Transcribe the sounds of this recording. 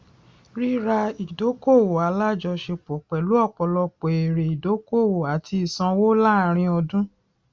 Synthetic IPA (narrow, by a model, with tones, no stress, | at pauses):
ɾi˦ɾa˧i˨do˨˦ko˦˨wo˨a˨˦la˦˨d͡ʒɔ˧ʃe˧k͡po˨k͡pɛ˨lu˨˦ɔ˦˨k͡pɔ˨lɔ˧k͡pe˨e˨ɾe˨i˨do˨˦ko˦˨wo˨a˨ti˧i˨sã˧wo˦la˦˨˧ɾ̃ĩ˧ɔ˧dũ˦